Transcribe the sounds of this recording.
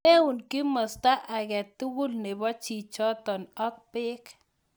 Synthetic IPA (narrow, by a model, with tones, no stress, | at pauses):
e˦u˨nki˦mɔ˨st̪a˦ʔa˨ɣɛ˨t̪u˦ɣu˦lne˨bɔ˦t͡ʃi˨t͡ʃɔ˦t̪ɔ˨nɔ˦k̚pɪ˦k